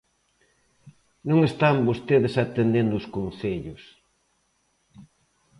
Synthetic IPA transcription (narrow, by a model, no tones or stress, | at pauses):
nõŋest̪ambost̪eðesat̪end̪end̪ʊːskon̟θeʎʊs